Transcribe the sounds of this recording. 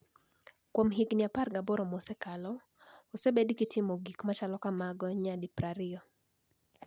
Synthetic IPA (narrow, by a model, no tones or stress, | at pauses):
kwɔmɦiɡnjaparɡabɔɾɔmɔsɛkalɔː | sɛbedikitʰimɔɡikmat͡ʃalɔkamaɡɔɲadipɾaɾiɔ